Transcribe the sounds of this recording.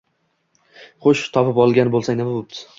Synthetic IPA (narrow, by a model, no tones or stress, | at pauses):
χoʃt̪ʰɒpɪpɒlˠɡʲanbolˠsaŋnɪmabop̚t̪ʰɪ̥